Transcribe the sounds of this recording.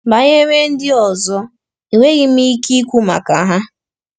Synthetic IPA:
ba˨ɲe˦me˦n̩˦dɪ˦ɔ˨zɔ˦ | i˨we˦ɣɪ˦m̩˦i˦ki˦kʷu˦ma̰˨ka˨ɦa˦

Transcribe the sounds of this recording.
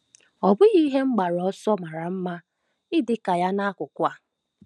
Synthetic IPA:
ɔ˨bʊ˦ɣi˦ɦe˦ŋ͡m̩˦ɡ͡ba˨ɾɔ˦sɔ˦ma˨ɾa˨m̩˦ma˦ | ɪ˦dɪ˨ka˨ja˦na˦kʷʊ˨kʷa˦˨

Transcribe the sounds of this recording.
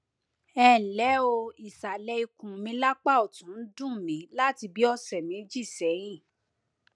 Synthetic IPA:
ɛ˦˨n̩˨lɛ˨˦o˧i˨sa˨lɛ˧i˧kũ˨mĩ˧˦la˦k͡pa˦˨o˨tũ˨˦n̩˦dũ˦˨mĩ˨˦la˦ti˧bi˦ɔ˧sɛ˨mĩ˨˦d͡ʒi˦˨sɛ˨˦j̃ĩ˦˨

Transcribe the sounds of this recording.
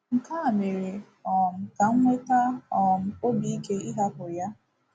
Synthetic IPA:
ŋ̩˨ka˦a˨me˨ɾe˨ | ɔ˨m̩˨ka˨ŋ̩˦ŋʷe˦ta˦ɔ˨m̩˦o˦bi˦i˦ke˦i˦ɦa˦pʊ˨ja˦

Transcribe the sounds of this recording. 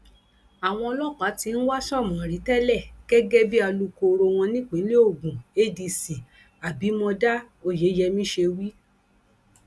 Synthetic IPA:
a˨w̃ɔ̃˧ɔ˧lɔ˦˨k͡pa˨˦ti˧ñ̩˦wa˦sɔ˦˨mɔ̃˨ɾi˨˦tɛ˦lɛ˦˨ɡ̥ɛ˦ɡɛ˦bi˦a˧lu˧ko˧ɾo˧w̃ɔ̃˧nĩ˦k͡pi˨˦li˦o˦˨ɡũ˨e˦di˧si˨ | a˨bi˨˦mɔ̃˧da˦ | o˦˨je˨˦jɛ˧mĩ˦ʃe˧wi˦

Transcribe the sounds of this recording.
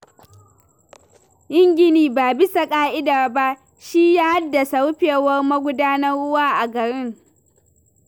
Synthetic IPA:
ʔɪ˦ŋɡʲɪ˨niː˨baː˨bɪ˦sa˨kʼaː˦ʔɪ˦daː˨ba˦ʔ | ʃi˦jaː˦ha˦dːa˨sa˦wɸeː˨wɐ˦rmɐ˦ɡʷʊ˦daː˦nɐ˦rɽʊ˦waː˦ʔa˨ɡɐ˨ɾɪ˦ŋ

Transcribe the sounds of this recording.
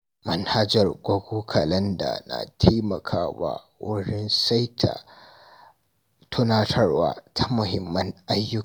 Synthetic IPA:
mɐ˨nha˦d͡ʒɐ˨rɡʷɐ˦ɡʷuː˦kʰɐ˨lɐ˦nda̰˨na̰˨tʰeː˦mɐ˨kʰaː˦wa̰ː˦ | wʊ˦ɽɪ˦nsa˦jtʰa̰˨ | tʰʊ˦naː˦tʰɐ˦rwa̰ː˦tʰa˦mʊ˨hɪ˨mːɐ˦nʔa˦jːʊ˦˨

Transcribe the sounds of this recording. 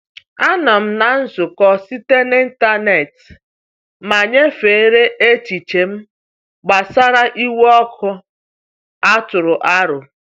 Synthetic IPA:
a˦nɔ˨m̩˦na˨n̩˦zʊ˨kɔ˦si˦te˦ni˦n̩˦ta˦ne˨t | ma˨ɲe˦fe˨˦ɾe˦ʔe˦t͡ʃi˨t͡ʃe˨m̩˦ | ɡ͡ba˨sa˦ɾa˦ʔi˦wɔ˦kʰʊ˦ | a˦tʊ˨ɾʊ˨ʔa˦ɾʊ˨

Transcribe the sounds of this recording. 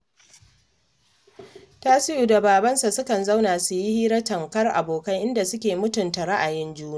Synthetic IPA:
taː˦sɪ˦ʔu˨da˨baː˨bɐ˦nsa˨sʊ˦kɐ˨nza˦wnaː˨su˨ji˦hiː˦ɾɐ˦tɐ˨ŋkɐ˦rʔa̰˨boː˨kɐ˦ŋʔɪ˦nda˨sʊ˦kʲeː˨mʊ˦tʊ˨nta˨ɾa˦ʔa˨jɪ˦nd͡ʒuː˦na˦˨

